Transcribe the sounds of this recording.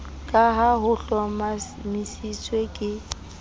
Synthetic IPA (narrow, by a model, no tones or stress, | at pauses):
kʼaɦaɦʊɬɔmamɪsit͡sʼwekʼɪ